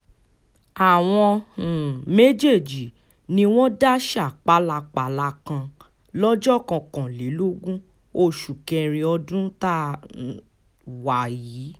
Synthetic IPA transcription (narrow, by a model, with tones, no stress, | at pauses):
a˨w̃ɔ̃˧˨ | me˦d͡ʒe˦˨d͡ʒi˨ | nĩ˧w̃ɔ̃˦da˦ʃa˦˨k͡pa˨˦la˧k͡pa˨˦˨la˧kã˧ | lɔ˦d͡ʒɔ˦˨kã˧kã˨le˨˦lo˦ɡũ˦ | o˦˨ʃu˨kɛ̃˧ɾe˧ɔ˧dũ˦ta˦˨ | wa˨jiː˨˦